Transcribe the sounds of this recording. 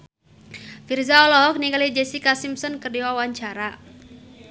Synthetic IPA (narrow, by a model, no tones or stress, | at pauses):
firzaɔlɔɦɔk̚nikalid͡ʒɛsikasimsɔnkərdiwawaɲt͡ʃaɾa